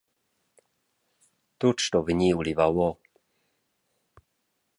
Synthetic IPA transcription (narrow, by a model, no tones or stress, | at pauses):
t̪ut͡ʃt̪ɔvɲiulivawɔ